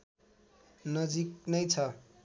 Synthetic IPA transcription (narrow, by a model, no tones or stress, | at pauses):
nʌd͡ziknʌjt͡sʰʌ